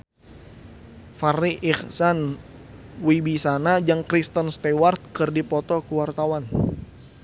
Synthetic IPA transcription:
fariʔiχsan | wibisanad͡ʒaŋkɾist̪ənst̪ɛwart̪̚kɨrdipɔt̪ɔkuwart̪awan

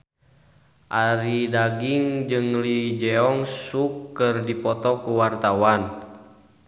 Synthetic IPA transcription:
ʔaɾidaɡiŋd͡ʒɨŋlid͡ʒɛɔŋsukːɨrdipɔt̪ɔkuwart̪awan

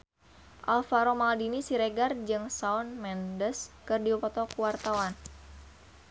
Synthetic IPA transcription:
ʔa̰lfaɾomaldinisiɾeɡard͡ʒɨŋsaɔnmɛndəskɨrdiupɔt̪ɔkuwart̪awan

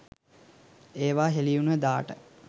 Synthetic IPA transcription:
eːʋaːɦelijunəd̪aːʈə

